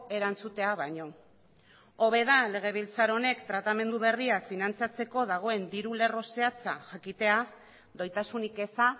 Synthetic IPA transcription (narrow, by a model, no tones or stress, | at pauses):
e̞ɾant͡sut̪e̞aβaɲo̞ | o̞β̞e̞ð̞ale̞ɣ̞e̞β̞ilt͡saɾo̞ne̞kt̪ɾat̪ame̞nd̪uβ̞e̞riakfinant͡sat͡se̞ko̞ðaɣ̞o̞e̞nd̪iɾule̞ro̞se̞at͡sa̰ʝakit̪e̞a | ðo̞jt̪asunike̞sa